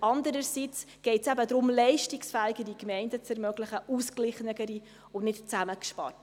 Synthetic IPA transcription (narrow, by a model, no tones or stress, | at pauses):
ɑndəɾəɾsit͡s | ɡ̥ɛɪtsæbədɾʊmlɛɪʃtɪksfæːiɡəɾikmɛɪndət͡sɛɾmœɡləχəʔusklɪχnəɡəɾi | ʊnɪtt͡sæməkʃpɑ̰rt